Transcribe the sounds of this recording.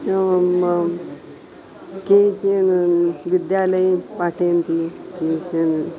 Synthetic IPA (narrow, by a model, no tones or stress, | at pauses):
ket͡ɕinʋid̪jaləjpaʈʰent̪ikit͡ɕin